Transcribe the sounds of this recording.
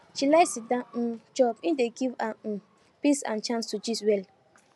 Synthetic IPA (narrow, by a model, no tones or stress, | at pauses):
t͡ʃilasidãd͡ʒɔpĩndeɡivã | pisã̰nt͡ʃãnstud͡ʒiswɛl